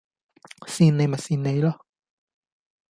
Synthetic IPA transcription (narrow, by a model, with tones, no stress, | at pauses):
siː˧nne˨˧jma˨˩jsiː˧nːe˨˧jlɔ˦˧